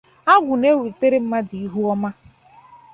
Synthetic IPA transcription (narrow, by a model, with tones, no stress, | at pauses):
a˦ɡʷʊ˨ne˦we˨te˦ɾe˦m̩˦ma˦di˨i˦ɦu˦ɔ˦ma˦